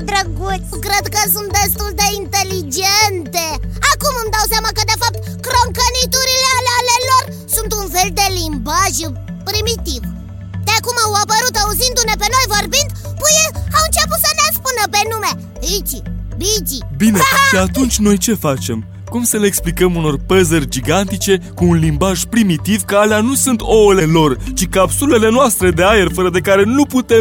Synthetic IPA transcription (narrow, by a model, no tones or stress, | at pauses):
d̪ɾəɡu | kɾed̪kəs̬unt̪̚d̪est̪uld̪eint̪elid͡ʒent̪eakumɨmd̪aws̬jamakəd̪e̞fap̚t̪ | kɾoŋkənit̪uɾilealealelor | sunt̪unfeld̪elimbaʒ | pɾimit̪iv | d̪eakumawapəɾut̪auzind̪une̞peno̞jvorbind̪pujeawɨnt͡ʃeput̪sənespunəpe̞nume | id͡ʒibid͡ʒibine̞ʃiat̪unt͡ʃʲno̞jt͡ʃe̞fat͡ʃe̞m | kumsəle̞ːksplikəmuno̞rpəzərʲd͡ʒiɡant̪it͡ʃe̞kuːnlimbaʒpɾimit̪ivkəaleanusunt̪o̞le̞lo̞rt͡ʃikapsule̞le̞noast̪ɾe̞d̪e̞ajerfəɾəd̪e̞kaɾe̞nuput̪e̞m